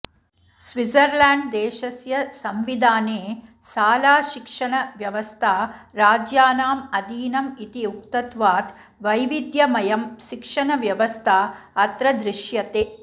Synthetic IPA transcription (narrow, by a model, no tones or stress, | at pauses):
sʋizɐɾlaːɳɖd̪eːʃɐsjɐsɐmʋid̪ʱaːneː | saːlaːʃikʂɐɳɐʋjɐʋɐst̪ʰaɾaːd͡ʒjaːnaːmɐd̪iːnɐmit̪iuk̚t̪ɐt̪ʋaːt̪ | ʋɐjʋid̪jɐmɐjɐmʃikʂɐɳɐʋjɐʋɐst̪ʰaɐt̪ɾɐd̪ɾɪʃjɐt̪eː